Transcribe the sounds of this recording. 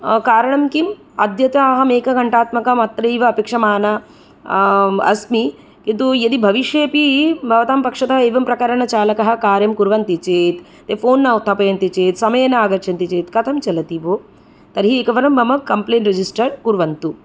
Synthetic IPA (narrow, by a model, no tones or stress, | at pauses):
kaːɾɐɳɐmkim | ɐd̪jɐt̪aːɦɐmeːkɐɡɐɳʈaːt̪mɐkɐmaːt̪ɾɐiːʋɐɐpeːkʂɐmaːnɐ | ɐ̰smi | kint̪ujɐd̪ibʱɐʋiʃjeːpibʱɐʋɐt̪aːmpɐkʂɐt̪ɐɦɐeːʋɐmpɾɐkɐɾɐɳɐt͡ʃaːlɐkɐɦɐ̆kaːɾjɐmkuɾʋɐnt̪it͡ʃeːt̪ | t̪ːeːfoːnːaːut̪ʰːaːpɐjɐnt̪it͡ʃeːt̪sɐmɐjɐnɐaːɡɐɾt͡ʃʰɐnt̪it͡ʃeːt̪kɐt̪ʰɐmt͡ʃɐlɐt̪iʋoː | t̪ɐɾɦieːkɐʋɐɾɐmbʱɐmɐkːɐmpleːɳʈɾɐd͡ʒisʈɐɾkuɾʋɐnt̪u